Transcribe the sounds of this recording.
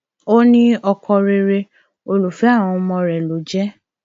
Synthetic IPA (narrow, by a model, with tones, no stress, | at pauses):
o˦nĩ˦ɔ˧kʰɔ̃˧ɾe˧ɾe˧ | o˧lo˨fɛ˨˦a˦˨w̃ɔ̃˧mɔ̃˧ɾɛ˨lo˨˦d͡ʒɛ˦